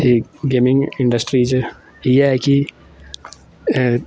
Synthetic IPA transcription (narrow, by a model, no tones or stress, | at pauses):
iɡemiŋiɳɖɐsʈɾid͡ʒɨ | ijaki